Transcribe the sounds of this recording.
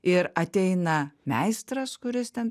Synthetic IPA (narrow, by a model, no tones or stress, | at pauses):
ɪɾɐt̪ʲɛɪnɐmʲæɪst̪ɾɐskʊɾʲɪst̪ʲɛn